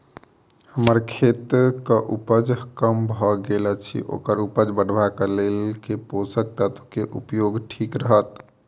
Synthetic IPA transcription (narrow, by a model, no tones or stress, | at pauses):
həməɾkʰet̪kəʔupəd͡ʒkəmbʱɔɡelət͡ʃʰḭʔo̰ːkəɾupəd͡ʒbəɽ̤bakəlelkeposək̚t̪ət̪ukeʔupjoɡʈʰiːkɾəɦət̪